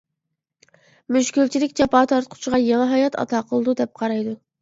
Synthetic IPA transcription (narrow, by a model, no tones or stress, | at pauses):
myʃkʲylʲt͡ʃʰilɪkʲd͡ʒɑpɑːt̪ʰɑɾt̪̚qʰʊ̥t͡ʃʰiʁɑjelɨɦɑjɑt̪ʰɑ̰t̪ʰɑːqʰəlˠɨd̪ud̪ɛp̚qʰɑɾɑjd̪u